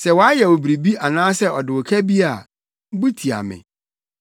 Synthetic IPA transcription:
sɛ˨wɔ˨a˦jɛ˨wo˨bɾi˨bi˦a˨nãː˦sɛ˦ɔ˨dɪ˨wɔ˨kʰæ˦bi˦a˨˦ | bu˦tʰi˨a̰˨mɪ̰̃˨

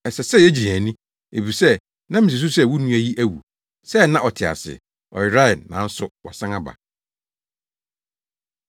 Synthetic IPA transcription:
ɛ˨sɛ˨sɛ˦˨jɛ˦d͡ʑi˨ɾæ̃˨nĩ˦ | e˨bi˨sɛ˦ | nã˦mĩ˨i˨s̬u˦sɛ˦˨wu˦nũ˦æ˦˨ji˦ʔæ˦wṵ˨ | sɛ˦˨nã˦ʔɔ˨tʰɪ˨a̰˨sɪ̰˨ | ɔ̰˨ɪ˨ɾa˦ɪ˨nːã̰˨˦n̩˦sʊ˦wɔ˨sã˦ŋa˦ba̰˨

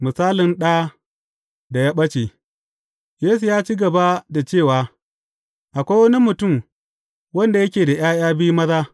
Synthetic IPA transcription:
mʊ˨saː˦lɪ˨nɗa˦ | da˨jaː˦ɓɐ˦t͡ʃe˨ | jeː˦su˨jaː˦t͡ʃi˦ɡɐ˨ba˦da˨t͡ʃeː˦˨waː˨˦ | ʔa˨kʷa˦wɐ˦ni˦mʊ˨tʊ˦˨m | wɐ˦nda˨jɐ˦kʲeː˨da˨j̰aː˦j̰aː˦bi˦mɐ˦zaː˦

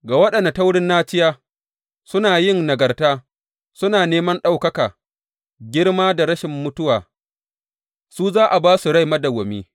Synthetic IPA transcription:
ɡaː˨wɐ˦ɗɐ˨na˨ta˦wɽɪ˦nːaː˦t͡ʃɪ˦jaː˦ | sʊ˦naː˨jɪ˦˨ŋnɐ˨ɡɐ˨rtaː˦ | sʊ˦naː˨neː˦mɐ˦nɗa˦wkɐ˦kaː˨ | ɡʲɪ˦ɽmaː˦da˨ɾɐ˦ʃɪ˨mːʊ˦tʊ˦waː˨ | suː˦zaː˦ʔa˨baː˦su˨ɽa˦jmɐ˦da˨ɡʷɔ˨mḭː˦

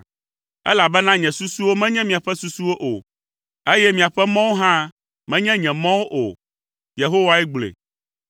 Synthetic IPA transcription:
ɛ̰˦la˨bɛ˦nã˦ɲɛ̃˨su˦su˦wo˦mɛ̃˦ɲɛ̃˦mĩ˨a˨ɸɛ˦su˦su˦wo˦ʔo˨ | e˦jɛ˦mĩ˨a˨ɸɛ˦mɔ̃˦wo˦ɦã˦ | mɛ̃˦ɲɛ̃˦ɲɛ̃˨mɔ̃˦wo˦ʔo̰˨ | je˨ɦo˦wa˦ɛ˦ɡ͡blḛ˨

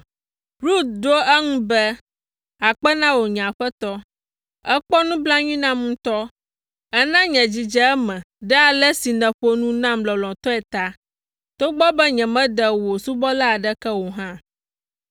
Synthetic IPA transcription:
ɾu˦t̪̚ɖo˦ɛ˦ŋũ˦bɛ˦ | a˨k͡pɛ˦nã˦wo˨ɲ̃˨a˨ɸɛ˦t̪ɔ˦ | ɛ˦k͡pɔ˦nũ˦bla˦ɲĩ˦nã˦mŋũ˦t̪ɔ˦ | ɛ˦nã˦ɲɛ̃˨d͡ʑi˨d͡ʒɛ˦ɛ˦mɛ̃˨ | ɖɛ˦a˨lɛ˦si˨nɛ̃˨ɸo˦nũ˦nã˦mlɔ˨lɔ̃˨t̪ɔ˦ɛ˨t̪a˦ | t̪o˦ɡ͡bɔ˦bɛ˦ɲɛ̃˨mɛ̃˦ɖɛ˨wo˨su˦bɔ˦la˦a˨ɖɛ˦kɛ˦wo˨ɦã˦

